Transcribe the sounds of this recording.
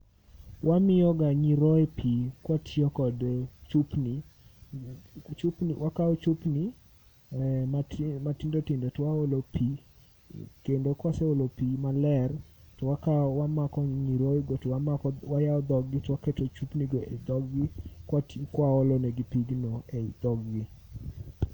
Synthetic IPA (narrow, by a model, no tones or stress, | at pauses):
wʔamɪjɔɡaɲiɾɔɛpʰikwatʰjɔkɔdt͡ʃupni | t͡ʃupniwʔakaɔt͡ʃupni | mamatindotindotwaolopʰi | kendokwaseolopimalɛr | tɔwakawamakɔɲiɾojɡotwaakɔwajaɔd̪ɔɡɡɪtɔwakɛtot͡ʃupniɡoʔed̪ɔɡɡɪkwatkwaolonɛɡipiɡnoeid̪̥ɔɡɡɪ